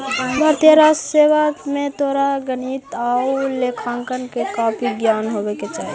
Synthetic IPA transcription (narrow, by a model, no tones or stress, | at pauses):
bʱəɾt̪jəɾaseʋamet̪oɾaɡənit̪aulekʰãŋkənkekapʰiɡjanɦobɛket͡ʃaːɦi